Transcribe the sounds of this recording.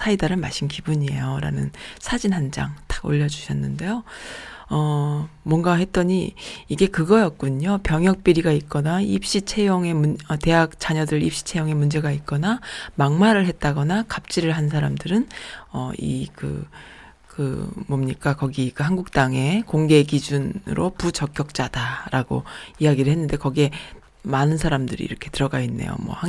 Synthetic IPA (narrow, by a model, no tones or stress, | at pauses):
sʰaidaɾɯma̰ɕʰinkibuɲie̞̰joɾa̰nɯ̰nsʰad͡ʑinɦand͡ʑa̰ŋt͈ʰḁɡ̥o̰ʎːʌd͡ʑuɕʰʌnːɯnde̞jo | ʌmwʌŋɡahe̞t̚t͈ʌɲiːɡe̞kɯɡʌjʌk̚k͈uɲopjʌŋjʌk̚p͈iɾiɡait̚k͈ʌnaip̚ɕ͈it͡ɕʰe̞joŋe̞muʌte̞ɦak̚t͡ɕ͈aɲʌdɯɾip̚ɕ͈i̥t͡ɕʰe̞joŋe̞mund͡ʑe̞ɡait̚k͈ʌnamaŋmaɾɯɭɦe̞t̚t͈aɡʌnakap̚t͡ɕ͈iɾɯɭɦansʰaɾamdɯɾɯnʌḭkɯ̰ | kɯ̰mʌmɲik͈akʌɡikɯɦaŋɡuk̚t͈aŋe̞koŋɡe̞kid͡ʑunɯ̰ɾoput͡ɕʌk͈jʌk̚t͡ɕ͈adaɾaɡo̰iaɡiɾɯɭɦenːɯnde̞kʌɡie̞ | manɯnsʰaɾamdɯɾḭḭɾʌkʰe̞tɯɾʌɡainːḛjo̰mwʌ̰ha